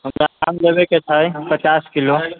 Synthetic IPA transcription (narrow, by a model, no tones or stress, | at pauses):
ɦəmɾaka̰mlebeket͡ʃʰəjpət͡ʃaskilo